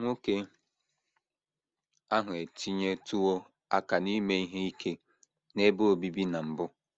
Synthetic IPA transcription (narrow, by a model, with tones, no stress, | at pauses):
ŋʷo˦ke˦ | a˦ɦʊ˨e˨ti˦ɲe˦tu˦o˦ | a˦ka˨ni˦me˦i˦ɦe˦i˦kʰe˦ | ne˦bo˦o˨bi˦bi˦na˨m̩˨bʊ˦